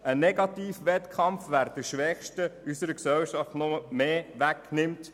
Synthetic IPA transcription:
ənɛɡɑt̪iːfʋɛtkʰχɑmfʋæːɾd̥̪əʃʋɛχʃtəysəɾəksɛlʃɑftnɔəmeːʋæknɪmt

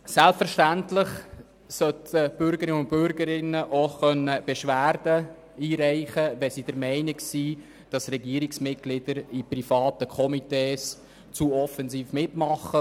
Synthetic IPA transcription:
sælpfəɾʃtæntlɪχ | sœtʰəb̥ʏɾɡəɾɪəʊntbʏɾɡəɾɪnːəʔoχœnːəb̥ɛʃʋæːɾdə | iːɾæɪχəʋɛsid̥əɾmɛɪnɪksiː | d̥ɑsɾɛɡiːɾɪksmɪt̚ɡ̥lɪd̥əɾiprifɑːtəkʰɔmiteːs | t͡suɔfɛnziːfmɪtmɑχə

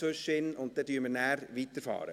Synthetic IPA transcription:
øʃɪnʊnt̚dɛːdyːɾməɾnæːɾʋiːt̪əɾfɑ̰ːɾə̰

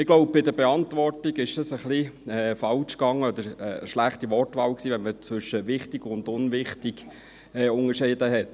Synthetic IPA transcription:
ɪɡloʊp̚b̥ɪdəbɛɑntvɔrtiɡɪʃd̥ɑsəχliɛːfɑlt͡ʃkɑŋːəɔd̪əɾəəʃlæχtiʋɔrtʋɑːwksiːʋɛnmət͡sʋʏʃəʋɪχtiɡ̥ʊndʊnʋɪχtɪɡ̥ː | ʊŋəʃɪːdəɦɛt

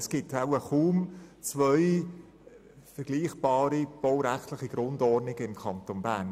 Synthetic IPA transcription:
sɡ̥ɪtʰaʊəχuːmt͡svœʏ | fəɾɡliːχb̥ɑːɾib̥ɔʊɾæχtləχiɡ̥ɾʊndɔrdnɪɡ̥əɪmkʰɑntonbæːn

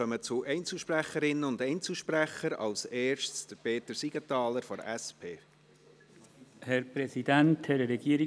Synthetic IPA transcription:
œmət͡sʊʔɛɪnt͡sl̩ʃpræχəɾɪnːəʊndɛɪnt͡sl̩ˠʃpræχəɾɑ̰lseːɾʃtsd̥əpʰeːt̪əɾsiɡ̥ətɑːləɾfɔɾæspʰeː | hɛɾpɾɛsidænthɛɾəɾɛɡiəɾi

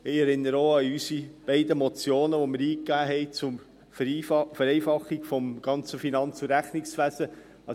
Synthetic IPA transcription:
ɪɛɾɪnːəɾoɑysib̥ɛɪd̪əmɔt͡sjoːnəʋomɪɾiːkːæːɦɛɪt͡sʊm | fɛɾɛɪfɑχːiɡfɔmɡ̥ɑnt͡səfinɑnt͡suɾæχnɪksvæsə | ɑ

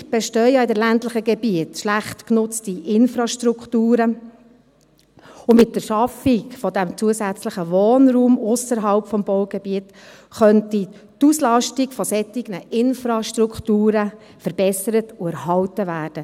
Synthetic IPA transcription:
b̥ɛʃtœʏɑɪdɛlæntlɪχəɡɛbiətʃlæχtknʊt͡stiʔɪnfɾɑʃtɾuktuːɾə | ʊmɪt̚d̥əɾʃɑfikfɔdæmt͡suəsæt͡sləχəʋoːnɾuːmʊsəɾɦɑlpfɔmbɔʊɡɛbiət | χœnti | t̪uslɑʃtiɡfɔsɛtːɪɡ̥nəʔɪnfɾɑʃtɾukχtuːɾə | fɛɾbɛsəɾətʊæɾhɑltəvæːɾd̥ə

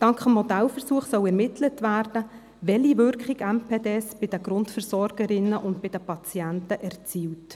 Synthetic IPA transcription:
d̥ɑŋkχəmhɔdælfəɾsuəχsœwɛɾmɪtʰlətʋæːɾd̥ə | ʋɛliʋʏɾkχiɡæmpʰeːdeːsb̥ɪd̥əɡ̥ɾʊntfəɾsɔɾɡ̥əɾɪnəʔʊntbɪd̥əpɑt͡sjæntəʔɛrt͡siːwt

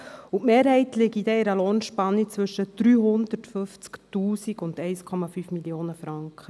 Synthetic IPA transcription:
uʔmeːɾhɛɪtlɪɡidɛɪɾəloːnʃpɑnːit͡sʋʏʃəd̥ɾyːɦʊnd̥̪əɾtfɵft͡sktuːsiɡʊndɛɪskʰɔmɑfyːfmiljoːnəfɾɑŋkχə

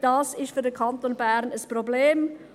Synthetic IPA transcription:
d̥ɑːsɪʃtfyɐdəkʰɑntonbæʁnəspʁobleːm

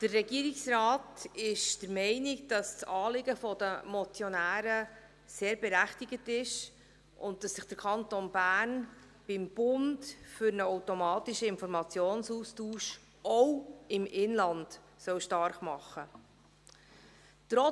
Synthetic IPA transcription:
d̥ərːɛɡiəɾɪksɾɑːtɪʃd̥əɾmɛɪnɪɡd̥ɑst͡sɑːlɪɡəfɔd̥əmɔt͡sjɔnæːɾə | seːɾbɛɾæχtɪɡətɪʃ | ʔʊnt̚dɑsːɪχd̥əɾkʰɑntoːnbæːɾn | b̥ɪmb̥ʊndfʏɾnəɔwtɔmɑːtiʃəɪnfɔɾmɑt͡sjoːnsuːstuːʃ | ɔwɪmʔɪnlɑnd | sœwʃtɑɾχmɑχːə | t̪ɾɔ

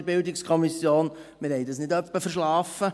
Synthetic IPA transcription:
ɾbɪldɪkskʰɔmisjoːnmɪɾhɛɪd̪ɑsnɪdœpːəfəɾʃlɑːfə

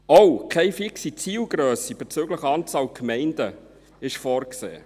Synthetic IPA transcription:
owkʰɛɪfiksit͡siːlɡɾøːsib̥et͡søɡləχɑːnt͡sɑːlkʰmɛɪndə | ɪʃfɔːrksḛː

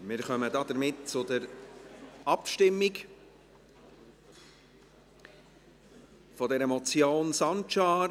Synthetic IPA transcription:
mɪːɾχœmədɑːd̥əɾmɪtt͡sʊdəɾ | ɑpʃtɪmːik | fɔdɛɾəmɔt͡sjoːnsɑnt͡ʃɑːɾ

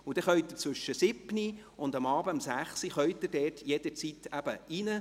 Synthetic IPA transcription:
ud̥̪ɛχœʏt̪ət͡sʋʏʃːəsɪbni | ʊnd̪ɑmɑːbəɑmsæχsiχœʏt̪ːəɾdɛːtʰjɛd̥̪əɾt͡sit̪æb̥əinə

